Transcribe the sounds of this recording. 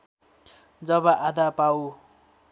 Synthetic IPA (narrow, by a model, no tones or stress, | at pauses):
d͡zʌbʌʔad̪apaw